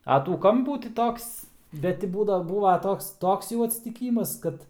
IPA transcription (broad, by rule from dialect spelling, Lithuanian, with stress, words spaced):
ɐ ˈtuː ˈkɐmpuː tʲɪ ˈtoːks bʲɛt ˈtʲɪ ˈbuːdɐw ˈbuːʋɐ ˈtoːks ˈtoːks jɛʊ ɐtʲsʲɪtʲɪˈkʲiːmɐs ˈkɐt